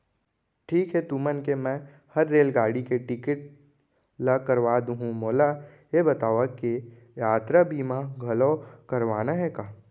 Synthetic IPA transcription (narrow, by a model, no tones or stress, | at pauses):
ʈʰiːkɦɛt̪umənkemɛ̃ | hɐɾːeːlɡaːɽikeʈɪkɪʈ̚ | lakɐɾʋaːd̪ũɦũmoːla | jebɐt̪aːʋake | jaːt̪ɾabiːmaɡʱɐlokɐɾʋaːnaɦɛkaː